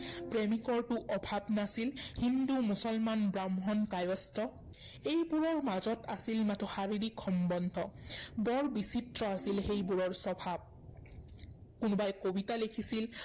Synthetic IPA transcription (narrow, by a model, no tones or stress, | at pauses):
pɹemikɔɹtʊʔɔbʱabnasilhindumusɔlmanbɹamɦɔnkajɔstɔ | ejbuɹɔɹmazɔtasilmatʰɔhaɹiɹikxɔmbɔndʱɔbɔɹbisitɹɔasilxejbuɹɔɹsɔbʱab̚ | kʊnbajkobitalekʰisil